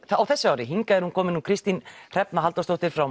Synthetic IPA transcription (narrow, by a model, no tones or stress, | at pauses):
awθɛsːɪaːwɾɪɦiŋkaɛɾhunkʰɔːmɪnːukʰɾɪst̪inr̥ɛpnaɦalt̪awst̪owht̪ɪɾ̥fɾaw